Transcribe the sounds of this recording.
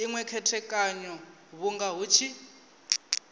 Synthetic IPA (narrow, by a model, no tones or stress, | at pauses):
iŋwɛkʰɛtʰɛkʼaɲɔ | βuŋɡaɦut͡ʃʰi